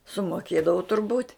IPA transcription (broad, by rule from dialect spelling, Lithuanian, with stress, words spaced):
sʊmoːˈkʲeːdɐʋʊ tʊrˈbuːtʲ